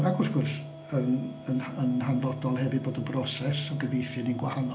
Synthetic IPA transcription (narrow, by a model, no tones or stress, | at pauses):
aɡʊrθɡ̥ʊrs | ənənənɦanvɔdɔlˠhɛvɨboːdənbrɔsɛsɔɡəvejθɨninɡwahanɔ